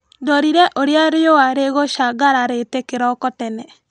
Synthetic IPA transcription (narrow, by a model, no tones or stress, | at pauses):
ndɔɾiɾɛʔoɾeaɾejoaɾeɣoʃaɡaɾaɾetekeɾɔkɔtɛnɛ